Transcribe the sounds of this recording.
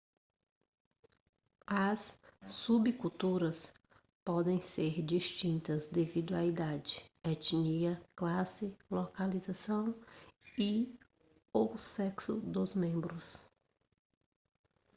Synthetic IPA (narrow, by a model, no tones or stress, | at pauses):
ɐsːubikut̪uɾɐs | pɔd̪ẽj̃seɾd͡ʒiʃt͡ʃĩnt̪ɐzd̪evid̪ʊɐid̪ad͡ʒɪɛt͡ʃniɐklasɪlokalizasɐ̃w̃i | osɛksʊd̪ʊzmẽmbɾʊs